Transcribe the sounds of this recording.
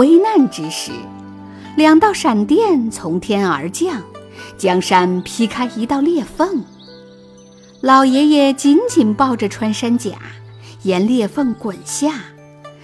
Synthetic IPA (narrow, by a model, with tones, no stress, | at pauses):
we˥ɪna˥˩nʈ͡ʂɻ̩˧˥ʂɻ̩˥˧˩ | ljɑ˨˩ŋt̪ɑ˥˩ʊʂa˨˩nt̪jɛ˥˩nt͡sʰʊ˧˥ŋt̪ʰjɛ˥nə̰˞˧˥t͡ɕjɑ˥˩ŋt͡ɕjɑ˥ŋʂa˥npʰi˥kʰa˥ɪi˧˥t̪ɑ˥˧ʊljɛ˥˧fə˥˩ŋ | lɑ˨˩ʊjɛ˧˥jɛ˨˩t͡ɕi˧˥nt͡ɕi˨˩npɑ˥˩ʊʈ͡ʂə˩ʈ͡ʂʰwa˥nʂa˥nt͡ɕja̰˨˩˦ | jɛ˧˥nljɛ˥˧fə˥˧˩ŋkwə˨˩nɕja˥˩